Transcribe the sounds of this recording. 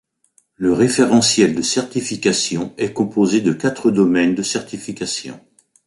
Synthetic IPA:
ləʁefeʁɑ̃sjɛld̪əsɛʁt̪ifikasjɔ̃ɛkɔ̃pozed̪əkat̪χəd̪ɔmɛnd̪əsɛʁt̪ifikasjɔ̰̃

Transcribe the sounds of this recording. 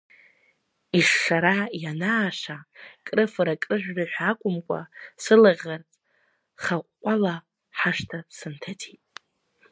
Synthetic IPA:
iʂːaɾajanaːʂakʼrɨfɨɾakʼrɨʒᶣʷraħʷᶣakʷʼʊmkʷʼa̰sɨlaʁʲart͡sʼ | χaqʷːʼala | ħaʂtʰasɨntʰatʰitʼ

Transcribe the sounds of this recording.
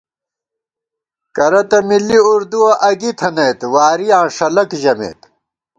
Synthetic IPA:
kɐɾɐt̪ɐmilːiuɾd̪uwɐʔɐɡit̪ʰɐneːt̪waːɾijãːʂɐlɐkʑɐmḛːt̪

